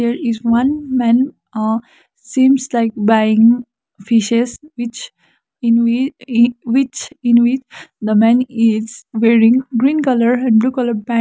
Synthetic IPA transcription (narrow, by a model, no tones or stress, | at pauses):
eɾɪzʋʌ̃nmɛ̃n | sĩːmslaɪk̚baɪɪ̃ŋ | fɪʃesʋɪt͡ʃ | ɪ̃nɪ | ʋɪt͡ʃɪ̃nʋɪt͡ʃd̪əmɛ̃nɪz̥ʋeːɾɪ̃ŋɡɾĩːnkʌləɾɛ̃ɳɖbluːkʌləɾpæ̃